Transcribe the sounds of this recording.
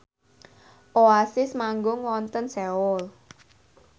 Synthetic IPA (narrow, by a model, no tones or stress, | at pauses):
ʔoasɪsmaŋɡʊŋwɔnt̪ənsɛʊl